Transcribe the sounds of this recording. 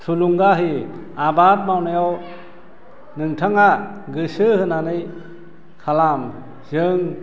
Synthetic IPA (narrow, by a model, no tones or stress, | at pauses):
tʰuluŋɡaɦi | abat̚mawnajaw | nɯŋtʰaŋa | ɡɯsɯhɯnanɯj | kʰalam | zɯŋ